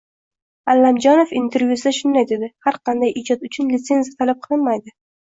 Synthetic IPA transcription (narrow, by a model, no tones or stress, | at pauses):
alːamd͡ʒɒnofint̪ʰe̞ɾvʲjusɪd̪aʃʊnd̪ajd̪e̞d̪ɪhaɾqʰɑnd̪ajʔɪd͡ʒɒt̪ʊt͡ʃʰʊnlɪt̪se̞nzijat̪ʰalap̚qʰɨlˠɨnmajd̪ɪ